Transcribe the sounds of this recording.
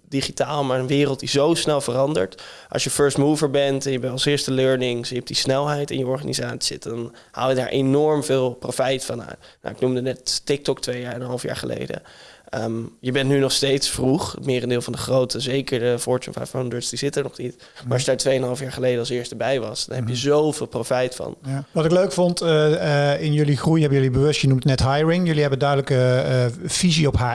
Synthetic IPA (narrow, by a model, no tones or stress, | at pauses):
d̥iχitaːlˠmaːɹənʋɪːrəlˠt̚dizowsnɛlˠvərɑndə̰ɹtʔɑ̰sjəføɹstmuvəɹbɛntɛnjəbɛnɑlˠsɪːɹstəløɹnɪŋsp̚disnɛlˠɦɛjtɪ̰njəɔɹχa̰nḭzaːtsiɪ̰tdɑn | ha̰ːlˠjədaːɹʔenɔɹmvɪːlˠprofɛjtfɑna̰tna̰wɪknumdənɛttɪk̚tɔk̚tʋejaənənɦɑlˠfja̰ːɹχəlḛjdə̰ | əmjəbɛntnynɔχstejtsfruχmɪːrəndɪːlˠvɑndəχrowtəzejkəɹdəfɔɹt͡ʃṵnfa̰jfɔndəɹsdizɪtəɹnɔχnit | maːɑʃjədaːɹtʋejənɦɑlˠfjaːɹχəlejdəɑlˠsɪːɹstəbɛjʋɑ̰sd̥ɑ̰nɦɛpjəzowvɪːlˠprofɛjtfɑ̰nʋɑtɪkløɥkfɔnt | ɪnjɵliχrujɦɛbəjɵlibəʋɵstjənumtnɛtɦajɹɪŋjɵliɦɛbəndœɥdələkə | v̥iziɔpɦa